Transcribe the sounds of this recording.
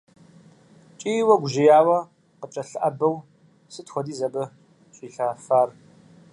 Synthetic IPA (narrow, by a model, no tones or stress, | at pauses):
t͡ʃʼiːwɐɡʷʊʒɪjaːwɐ | qət͡ʃʼɐɬɨʔɐbɐw | sɨtxʷɔdiːzɐbɐ | ɕʷʼiːɬaːfaːr